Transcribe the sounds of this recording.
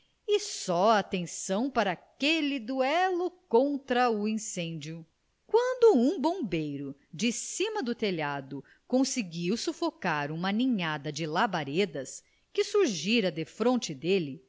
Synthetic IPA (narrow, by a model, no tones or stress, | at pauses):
ɪsɔat̪ẽsɐ̃w̃paɾɐakelid̪uɛlʊkõnt̪ɾɐuĩsẽnd͡ʒjʊ | kwɐ̃nd̪ʊũbõbejɾʊd͡ʒɪsĩmɐd̪ʊt̪eʎad̪ʊ | kõsɪɡiwsufokaɾũmɐnĩɲad̪ɐd͡ʒɪlabaɾed̪ɐs | kɪsuɾʒiɾɐd̪efɾõnt͡ʃɪd̪elɪ